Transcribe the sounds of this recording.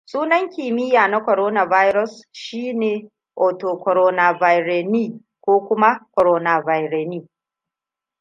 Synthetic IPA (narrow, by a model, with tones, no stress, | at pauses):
sʼuː˦nɐ˦ŋkʲiː˨mɪ˦jaː˨na˦kʷɔ˨ɾoː˦na˨va˦jɾɔ˦sʃiː˦neː˨ | ʔoː˨toː˨kʷɔ˨ɾoː˦na˨va˨jɾe˨niː˦˨ | kʷoː˦kʷʊ˦ma˦kʷɔ˨ɾoː˦na˨va˨jɾeː˨niː˦